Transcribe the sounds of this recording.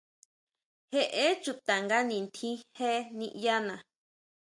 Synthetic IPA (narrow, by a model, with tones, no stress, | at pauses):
he˦ʔe˦t͡ʃu˧t̪a˨ŋɡa˦nĩ˨nt̪ʰĩ˦he˦nĩ˧ʔja˦nã˨